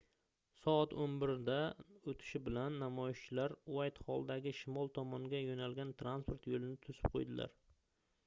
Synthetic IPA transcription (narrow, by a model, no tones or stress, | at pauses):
sɒat̪onbɪɾd̪aot̪ʰɪ̥ʃɪbɪlanːamɒjɪʃt͡ʃʰɪlaɾuajt̪hɒlˠd̪aɡʲɪʃɪmɒlˠt̪ʰɒmɒŋɡʲajonalɡʲant̪ʰɾanspʰoɾt̪jolɪnɪt̪ʰʊzɪ̥p̚qʰo̰jd̪ɪla̰ɾ